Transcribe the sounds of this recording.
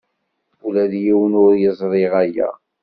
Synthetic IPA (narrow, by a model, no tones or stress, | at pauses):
ulæðjiwənʊɾjəzˤɾˤɪʁæjæ̰